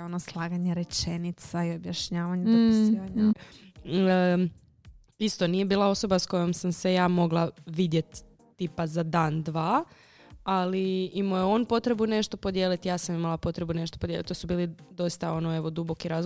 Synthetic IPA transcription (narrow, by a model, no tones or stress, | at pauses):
onoslˠaːɡaɲeɾet͡ʃenit̪saiobjaʃɲaːʋaɲed̪opisiʋaɲa | ist̪o̞nije̞biːlˠao̞so̞basko̞jo̞msamse̞jaːmo̞ɡlˠaʋid̪je̞t̪ː | ipazad̪aːnd̪ʋaː | aliimujeo̞ːnpo̞t̪ɾe̞bune̞ʃt̪o̞po̞d̪jeːlit̪ijaːsamimalˠapo̞t̪ɾe̞bune̞ʃt̪opod̪jelit̪ːosubiːlid̪o̞ist̪ao̞noe̞ʋo̞d̪ubo̞kiɾaːz